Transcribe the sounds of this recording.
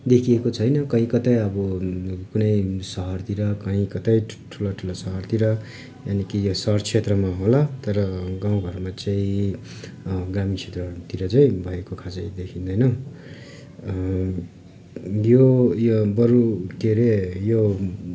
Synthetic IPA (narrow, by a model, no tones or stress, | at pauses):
d̪ekʰiekot͡sʰʌjnʌkʌĩkʌt̪ʌjʌbʌkunʌjsʌɦʌrt̪iɾʌkʌĩkʌt̪ʌjʈʰulaʈʰulosʌɦʌrt̪iɾʌ | janikijosʌrt͡sʰet̪rʌmaɦolat̪ʌɾʌɡaw̃ɡʱʌrmat͡saĩ | ɡramit͡sʰet̪rʌt̪iɾʌt͡saĩbʱʌekokʰasʌj̃d̪ekʰĩnd̪ʌjnʌ | jojobʌɾuʈ̪eɾejo